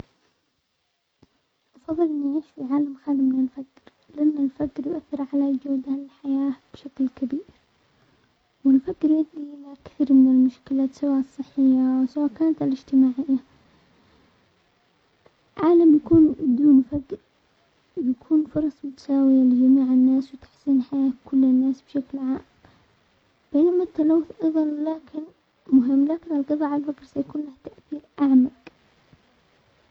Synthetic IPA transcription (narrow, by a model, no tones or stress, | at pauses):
ʔɑfɑðˤːɨlʔɪnːʕiːʃfiʕaːlamxaːlɪmːɪnɪnfakːɪɾ | lɪʔanːalfakːɾjʔaθːɪɾʕalad͡ʒawd̪alħajaːb̥ʃaklkabiːɾɾ | wɪnfakːɪɾad̪imakθiːɾmɪnɪlmʊʃkɪlasawasˤːɨħːɪjːawsawakaːnat̪alɪd͡ʒt̪ɪmaːʕɪjːa | ʕaːlamjakuːnd̪uːnfaɡ | jakʰuːnfʊɾˤɑsˤbɪt̪saːwild͡ʒamiːʕɪnːaːswt̪ḁħsiːnħajaːt̪kʰʊlːɪnːaːsb̥ʃaklʕaːm | b̥eːnamat̪ːalawːʊθʔɑðˤɑnlaːkʰɪn | mʊɦɪmːlaːkɪnalqɑðˤɑːʕalfakɾˤsajkuːnlaht̪aʔθiːlʔaʕmaɡ